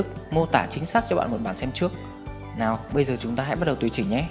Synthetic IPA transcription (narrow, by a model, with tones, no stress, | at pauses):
k̚mo˧t̪a̰ː˧˩t͡ɕï˨˦ŋ̟saː˦˥k̚t͡ɕɔ˧ɓa̰ː˧˨nmo˨˩t̚ɓaː˨˩nsɛ˧mt͡ɕɨ˦˥ək̚ | naː˨˩wɓə˧jzəː˨˩t͡ɕʊ˨˦ŋ͡mt̪aː˧a̰˧˥jɓ̚ɗə˨˩wt̪wt͡ɕï̟˧˩ɲɛ˨˧˦